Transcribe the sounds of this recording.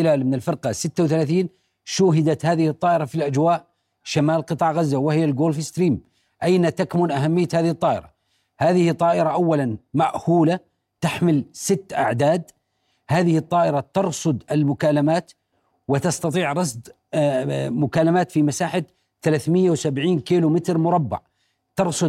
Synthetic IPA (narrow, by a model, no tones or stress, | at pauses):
ɪlaːlmɪnɪlfɪɾqɑsɪt̪ːawθalaːθiːn | ʃʊːɦɪd̪at̪haːðɪhɨt̪ˤːɑːʔɪɾafilʔad͡ʒwaːʔ | ʃamaːlqɨt̪ˤɑːʕɣazːawɪhɪjːalɡoːlfst̪ɾiːm | ʔajnat̪akmʊnʔaɦamːɪjːat̪haːðɪhɨt̪ˤːɑːʔɪ̰ɾa̰ | haːðɪhɪt̪ˤːɑːʔɪɾaʔawːalanmaʔhuːla | t̪aħmɪlsɪt̪ːʔa̰ʕd̪aːd̪ | haːðɪhɨt̪ˤːɑːʔɪɾat̪ɑɾˤsˤʊd̪ɪlmʊkaːlamaːt̪ | wɪt̪ɑst̪ɑt̪ˤiːʕɾˤɑsˤd̪ | mʊkaːlamaːt̪fimasaːħa | θalaːθmɪjːawsabʕiːnkiːlʊmɪt̪ɾmʊɾˤɑbːɑ̰ʕ | t̪ɑɾˤsˤʊ